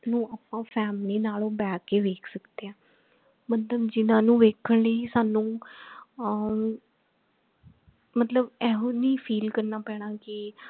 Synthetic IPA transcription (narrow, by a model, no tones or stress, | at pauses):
nũːaːpːãːfʰɛːmliːnaːloːbɛːkːeːʋeːkʰsəkd̪eːãː | mət̪ləbd͡ʒɪnãːnũːʋeːkʰəɳ̃ləisaːnũː | mət̪ləbɛːɦõːnĩːpʰiːlkəɾnaːpɛːɽ̃aːkɪ